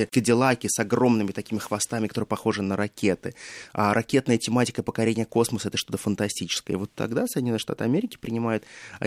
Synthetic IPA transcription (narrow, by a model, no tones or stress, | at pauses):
əkədʲɪlˠakʲɪsɐɡro̞mnɨmʲɪt̪ɐkʲimʲɪxvɐst̪amʲɪkɐt̪oɾəpɐxo̞ʐɨnəɾɐkʲe̞t̪ɨaɾʔɐkʲe̞t̪nəjətʲɪmatʲɪ̥kəpəkɐɾʲenʲɪjəko̞sməsəɛt̪əʂt̪o̞t̪əfənt̪ɐsʲtʲit͡ɕɪ̥skəjə̰vo̞t̪ʰːɐ̰ɡd̪asədʲɪnʲonːɨʂt̪a̰t̪ɨɐmʲeɾʲɪkʲɪ̥pɾʲɪnʲɪmajʊt̪